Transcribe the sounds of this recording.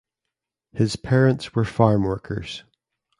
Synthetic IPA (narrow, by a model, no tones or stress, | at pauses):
hɪz̥pʰɛɹə̃ntswə˞faɹmwɜ˞kʰə̰˞z̥